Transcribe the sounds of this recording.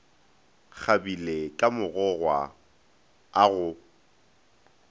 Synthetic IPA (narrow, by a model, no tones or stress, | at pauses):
k͡xʰabilekʼamʊɣɔɣwa̰ | aɣʊ